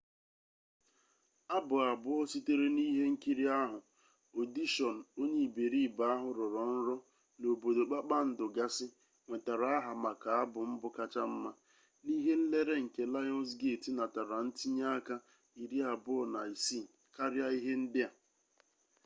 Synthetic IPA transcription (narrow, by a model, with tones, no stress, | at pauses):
a˦bʊ˨a˨bʊ˦ɔ˦si˦te˦ɾe˦ni˦ɦe˦ŋ̩˦ki˦ɾi˦a˦ɦʊ˨ | o˨di˦ʃɔ˨n̩˨o˦ɲe˦˨be˨ɾi˦˨ba˨˦a˦ɦʊ˨ɾʊ˨ɾɔ˨n̩˦ɾɔ˦ | no˨bo˨do˨k͡pa˦k͡pa˦n̩˦dʊ˨ɡa˦sɪ˦ | ŋʷe˨ta˨ɾa˨˦a˦ɦa˨ma˨ka˨a˦bʊ˨m̩˦bʊ˦ka˦t͡ʃa˦m̩˦ma˦ | ni˦ɦe˦n̩˦le˦ɾe˦ŋ̩˨ke˨la˦jɔ˦ns̬ɡe˦˨ti˨na˨ta˨ɾa˨n̩˦ti˦ɲa˦ka˦ | i˨ɾi˦a˨bʊ˦ɔ˨na˨i˨si˦˨ka˦ɾja˦i˦ɦe˦n̩˦dɪ˦a˨